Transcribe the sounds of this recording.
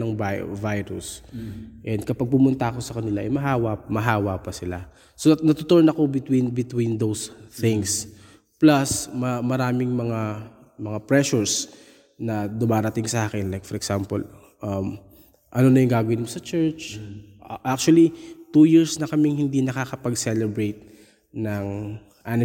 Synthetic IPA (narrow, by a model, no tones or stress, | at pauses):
nɐŋvajɾʊ̰s | ʔɛnd̪̚kɐpɐɡ̚pʊmʊnt̪ɐɐko̞sɐkɐnɪlaʔɐjmɐɦaːwamɐɦaːwapɐsɪla | sonɐt̪ot̪oɹnɐko̞bɪt̪winbɪt̪wind̪owsθɪŋs | plɐsmɐmɐɾaːmɪŋmɐŋa | mɐŋapɹɛʃʊɹs | nɐd̪ʊmaːɾɐt̪ɪŋsɐʔaːkɛnlajkfɔɾʔɛɡsampɔ̰l | ʔɐm | ʔɐno̞nɐjʊŋɡaːɡɐwɪnmosɐt͡ʃɛɹt͡ʃ | ʔak̚t͡ʃuɐlit̪uːjiɹsnɐkɐmɪŋhɪnd̪inɐkakɐpɐɡsɛlɛbɹejt̪̚ | nɐŋ | ʔanɪ